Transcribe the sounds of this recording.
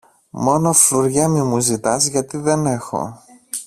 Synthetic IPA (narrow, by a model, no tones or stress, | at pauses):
mo̞no̞fluɾʝɐmimuzit̪ɐzʝɐt̪iðe̞ne̞xo̞̰